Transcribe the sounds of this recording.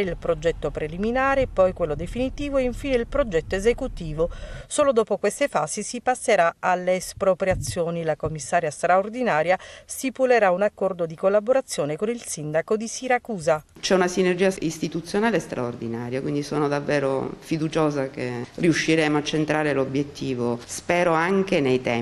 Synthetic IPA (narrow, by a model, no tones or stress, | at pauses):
ilpɾod͡ʒɛt̪ːopɾeliminaːɾepɔjkwelːod̪efinit̪iːvoeiɱfiːneilpɾod͡ʒɛt̪ːoezekut̪iːvosoːlod̪ɔːpokwest̪efaːzisipasːeɾaalːeːspɾopɾjat̪sːjoːnilakomːisːaːɾjast̪ɾaord̪inaːɾjast̪ipuleɾaunakːɔrd̪od̪ikolːaboɾat̪sːjoːnekonilsind̪akod̪isiɾakuːza | t͡ʃɛunasinerd͡ʒiːaist̪it̪ut̪sːjonaːlest̪ɾʔa̰ord̪inaːɾjakwind̪isoːnod̪avːɛːɾo̰fid̪ut͡ʃoːzakeriuʃːiɾɛːmoat͡ʃːent̪ɾaːɾelobjet̪ːiːvospɛːɾoaŋkenejt̪ɛ